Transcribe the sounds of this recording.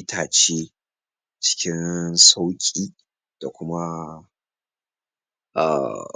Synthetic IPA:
tʰaː˨t͡ʃeː˦ | t͡ʃɪ̥˦kʲɪ˦nsa˦wkʲʼiː˦˨ | d̥a˨kʷʊ˦ma˦ | ʔa̰˨

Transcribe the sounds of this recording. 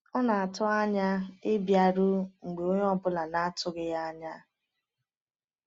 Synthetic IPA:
ɔ˦na˨a˨tʊ˦a˦ɲa˦ɪ˦bja˨ɾʊ˦ŋ̩˨ɡ͡be˨o˦ɲ˦ɔ˦bʊ˦la˨na˦tʊ˦ɡɪ˦ja˦a˦ɲa˦

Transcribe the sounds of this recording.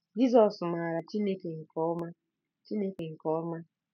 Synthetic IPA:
d͡ʒi˦zɔ˨sma˨ɾa˨t͡ʃi˦ne˦ke˨ŋ̩˨kɔ˦ma˦ | t͡ʃi˦ne˦ke˨ŋ̩˨kɔ˦ɔ˦ma˦

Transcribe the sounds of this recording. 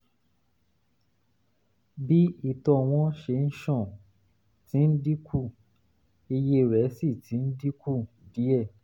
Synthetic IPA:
bi˦i˨tɔ˧˨w̃ɔ̃˧˦ʃe˧˨n̩˦ʃɔ̃˦˨ | ti˨˦n̩˦di˦kʰu˦˨ | i˧je˦˨ɾɛ˨˦si˦˨ti˨˦n̩˦di˦kʰu˦˨di˨˦ɛ˦˨

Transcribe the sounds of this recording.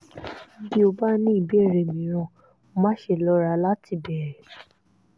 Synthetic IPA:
bi˧˨o˨ba˦nĩ˦˨be˦˨ɾe˨mĩ˨ɾ̃ɔ̃˧˨ | mã˦ʃe˨lɔ˨˦ɾa˧˦la˦ti˨bɛ˨ɾe˨

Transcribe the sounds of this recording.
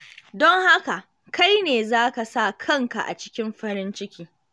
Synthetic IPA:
dɔ˦ŋha˦ka˨ | ka˦jneː˨zaː˦ka˨sa˦˨kʰɐ˦˨ŋka˨ʔa̰˨t͡ʃɪ̥˦kʲɪ˦mɸɐ˦ɾɪ˦nt͡ʃɪ˦kʲiː˦

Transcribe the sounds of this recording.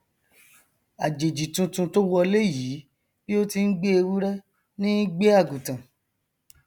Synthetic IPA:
a˨d͡ʒe˨d͡ʒi˨tũ˧tũ˧to˦wɔ˧le˦ji˨˦ | b̥i˦o˦ti˧n̩˦ɡ͡be˦e˧wu˦ɾɛ˦ | nĩ˦ɡ͡be˦a˦˨ɡũ˨tã˨

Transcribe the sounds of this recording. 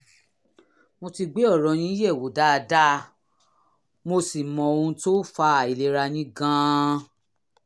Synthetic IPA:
mo˧ti˧ɡ͡be˨˦ɔ˦˨ɾɔ̃˨˧˨ñĩ˦je˦˨wo˨˦da˦˧da˦˧ | mo˧si˨mɔ̃˧o˧ũ˧˦to˦fa˧˨i˨le˨˦ɾa˧nĩ˦ɡã˦˧˦

